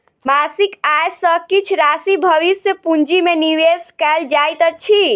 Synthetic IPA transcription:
masikajsəkit͡ʃʰɾasibʱəʋisjəpund͡ʒimeniweskɛld͡ʒajt̪ət͡ʃʰi

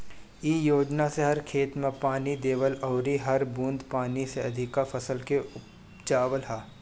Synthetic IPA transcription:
iːjoːd͡ʒnaseɦɐɾkʰeːt̪mẽpaːnid̪eːʋəlɔːɾiɦɐɾbũːnd̪paːniseɐd̪ʱɪkafɐsəlkeʊp | d͡ʒaːʋəlɦaː

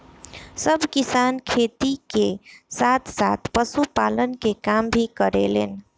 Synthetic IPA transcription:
səbʱkisankʰet̪ikesat̪ʰsa̰t̪ʰpəsupalənkekambʱikəɾḛlen

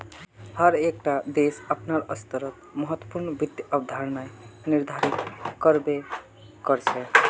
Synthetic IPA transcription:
həɾekʈad̪esəpnaɾəst̪əɾət̪̚məɦət̪ːwəpuɾnbid̪jəbd̪ʱaɾnajniɾd̪ʱaɾik̪kːəɾbe | kəɾt͡ʃʰɛ

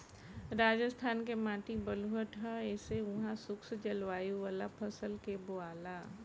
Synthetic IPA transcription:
ɾaːd͡ʒəst̪ʰaːnkemãːʈ̪ibəlʊɦəʈɦɛeːseʊɦãsʊksd͡ʒəlʋaːjuʋaːlapʰəsəlkeboaːlaː

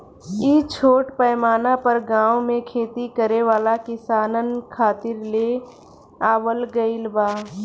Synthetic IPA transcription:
it͡ʃʰoːʈpɛːmaːnapəɾɡãːõmẽkʰeːt̪ikəɾeʋaːlakɪsaːnənkʰaːt̪ɪɾleː | aːwəlɡəɪlbaː

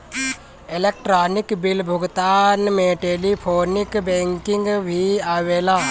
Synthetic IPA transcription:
ɪlek̚ʈɾaːnɪkbɪlbʱʊɡt̪aːnmẽʈeːlipʰoːnɪkbɛ̃ːŋkɪ̃ŋɡbʱiaːʋeːlaː

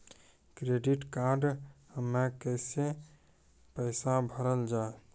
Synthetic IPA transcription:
kɾeɖiʈkaɾɖhəmːekəɪse | pəɪsabʱəɾəld͡ʒae

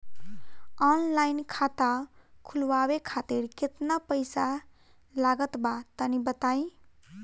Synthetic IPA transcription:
ɔnlajnkʰat̪akʰulwabekʰat̪iɾket̪napəjsa | laɡət̪bat̪ənibət̪aĩ

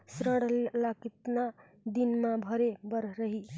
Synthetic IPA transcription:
sɾəɽlakit̪na | d̪inmãbʱʌɾebʌɾɾəɦi

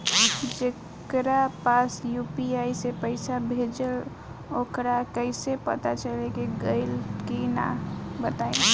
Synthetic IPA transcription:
d͡ʒe | kɾapasjupiaisepəɪsabʱed͡ʒəl | okɾakəɪsepə̰t̪at͡ʃəlekiɡəɪlkina̰bət̪ae

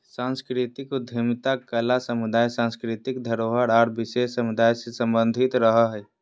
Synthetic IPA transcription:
sãːnskɾɪt̪ɪkud̪ʱəmt̪akəlasəmud̪aːjsãːnskɾɪt̪ɪkd̪ʱəɾoɦəɾaːɾbɪʃesːəmʊd̪aːjsesə̃mbə̃nd̪ʱɪt̪ɾəɦəɦɛ

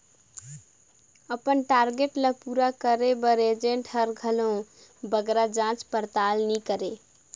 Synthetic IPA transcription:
əpənʈaɾɡeʈləpuɾakəɾebəɾed͡ʒeɳʈhəɾɡʱəlõ | bəɡɾad͡ʒãt͡ʃpəɾt̪alnikəɾe

